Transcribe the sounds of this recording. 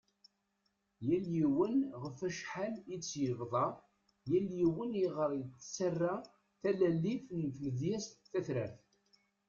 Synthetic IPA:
jæljiwənʁəfæʃħalit͡sːjəvðˤɑ | jæljiwəniʁəɾˤət͡sːt͡sːərːa | θælælːifnθləðjæst̪θæθɾæθ

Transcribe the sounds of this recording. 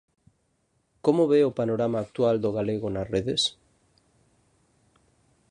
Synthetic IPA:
komoβeopanoɾamaːk̚t̪wald̪oɣ̞aleɣ̞onasreðes

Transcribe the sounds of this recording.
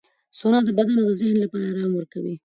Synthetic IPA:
sonɑd̪əbad̪anod̪əzɪhnlapɑɾaɾɑmwəɾkawi

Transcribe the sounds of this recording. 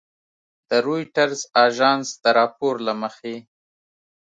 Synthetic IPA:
d̪̥əɾojʈaɾzɑʒɑːnsd̪əɾɑpoɾlaməxe

